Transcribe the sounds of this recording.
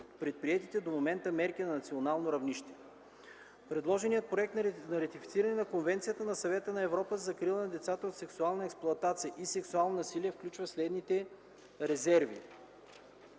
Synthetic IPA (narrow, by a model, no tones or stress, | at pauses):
pɾɛt̪̚pɾiɛt̪it̪ɛd̪omomɛnt̪əmɛɾkinɐnɐt̪sionalˠnoɾɐvniʃt̪ɛ̥ | pɾɛd̪lˠɔʒɛnijət̪̚pɾoɛk̚t̪nnɐɾɐt̪ifit̪siɾɐnɛnɐkonvɛnt̪sijət̪ənɐsɐvɛt̪ənɐɛvɾɔpəzɐkɾilˠənɐd̪ɛt̪sat̪əot̪sɛksualˠnəɛksplˠʊɐt̪at̪sijəʔisɛksualˠnonɐsiliɛfklʲut͡ʃvəslɛd̪nit̪ɛ | ɾɛzɛɾvḭ